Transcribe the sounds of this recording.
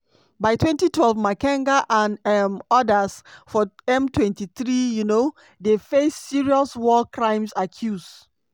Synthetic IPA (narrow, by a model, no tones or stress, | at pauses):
baɪtʰwɛ̃ntitʰwɛlvmakãŋɡaʔãnɛmɔdəsfɔɛ̃mtʰwɛ̃ntiθɹijuno | defesːiɹiɔswɔkɹãɪ̃msakʰjuzd